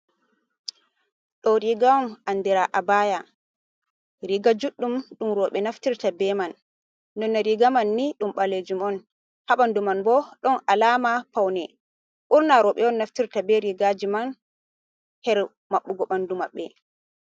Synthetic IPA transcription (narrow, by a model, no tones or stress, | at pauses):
ɗɔɾiɡaɔmandiɾaʔabaja | ɾiɡad͡ʒuɗːumɗumɾɔɓɛnaftiɾtabɛmanː | ɔnːaɾiɡamanːiɗumɓaled͡ʒumɔn | haɓandumanbɔɗɔnalamapawnɛ | ʔuɾnaɾɔɓɛɔnːaftiɾtabɛɾiɡad͡ʒiman | hɛɾ | maɓːuɡɔɓandumaɓːɛ